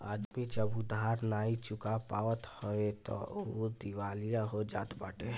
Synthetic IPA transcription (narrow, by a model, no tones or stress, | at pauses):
a̰ːd̪mid͡ʒəbʊd̪aɾnaːit͡ʃʊkapaːʋət̪hoet̪ɔ̰od̪iʋaːlijaɦod͡ʒa̰ːt̪baːʈe